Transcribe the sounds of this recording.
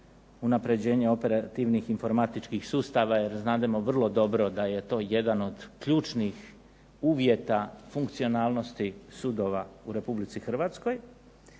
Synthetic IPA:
unapɾe̞d͡ʑe̞ːɲe̞o̞pe̞ɾat̪iʋnixinfo̞ɾmat̪it͡ʃkixsuːst̪aʋajeɾznaːd̪emo̞ʋr̩lˠo̞d̪o̞bɾo̞d̪aje̞t̪o̞ːje̞d̪ano̞d̪̥kʎuːt͡ʃnix | uːʋje̞t̪afuŋkt̪sio̞naːlˠno̞st̪isuːd̪o̞ʋauɾe̞publit̪sixr̩ʋaːt̪sko̞j

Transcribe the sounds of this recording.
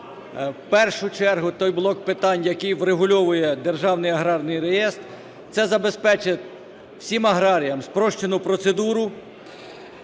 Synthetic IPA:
wpɛrʃʊt͡ʃɛrɦʊt̪ɔjblˠɔkpɪt̪ɑnʲjɐkɪjʋreɦʊlʲɔʋʊjɛd̪erʒɑwnɪjɐɦɾɑrnɪjrejɛst̪ | t̪sɛzɐbe̞spɛt͡ʃɪt̪ʲ | w̥sʲimɐɦɾɑɾʲijɐmspɾɔʃt͡ʃenʊpɾɔt̪sed̪uɾʊ

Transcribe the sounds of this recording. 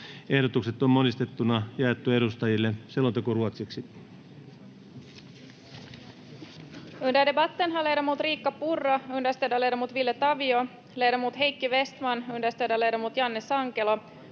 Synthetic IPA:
e̞hdot̪ukset̪ommonist̪e̞t̪ːunɑjɑet̪ːuedust̪ɑjilːeselot̪ekuruot̪siksi | ynd̪ædebɑt̪ːenɦɑlejɾomuːt̪riːkːɑpurːɑyndæst̪edɑlejdomuːt̪ʋilːet̪ɑʋio | lejdomuːt̪ɦe̞jkːiʋe̞st̪mɑnyndæst̪edɑlejdomuːt̪jɑnːesɑŋkelo

